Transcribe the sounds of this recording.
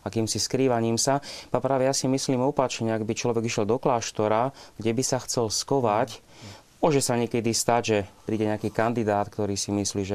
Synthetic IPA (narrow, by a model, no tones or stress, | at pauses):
akiːmsiskɾiːʋaɲiːmsapapɾaːʋɛjasimisliːmɔpat͡ʃɲɛaɡbit͡ʃlɔʋɛɡiʃjɛld̪ɔklaːʃt̪ɔɾaɡɟɛbisaxt͡sɛlskɔʋac | ɔʒɛsaɲɛkɛd̪ist̪aɟʒɛpɾiːɟɛɲɛakiːkand̪id̪aːt̪kt̪ɔɾiːsimisliːʒɛ